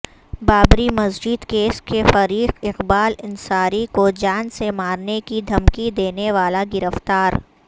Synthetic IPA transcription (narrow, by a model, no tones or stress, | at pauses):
baːbɾimɐsd͡ʒɪd̪keːskefɐɾiːqɪqbaːlɪnsaːɾikod͡ʒaːnsemaːɾnekid̪ʱɐmkid̪eːneʋaːlaɡɪɾəft̪aːɾ